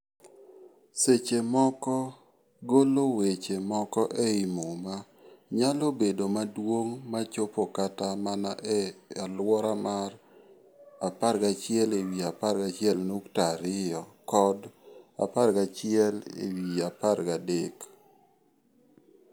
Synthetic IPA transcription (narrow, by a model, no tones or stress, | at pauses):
set͡ʃemɔkɔ | ɡolowet͡ʃemɔkɔʔɛimoma | ɲalobedomadwoŋmat͡ʃopokatamanaʔɛalwɔɾamar | apaɾɡat͡ʃɪjɛlewiapaɾɡat͡ʃɪɛlnuktaɾɪjɔkɔda̰parɡat͡ʃɪɛlḛwiaparɡadek